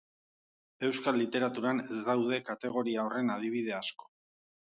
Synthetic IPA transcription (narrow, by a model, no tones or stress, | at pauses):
e̞wskalːit̪e̞ɾat̪uɾanezd̪awð̞e̞kat̪e̞ɣ̞o̞ɾiao̞re̞nað̞iβ̞ið̞e̞asko̞̥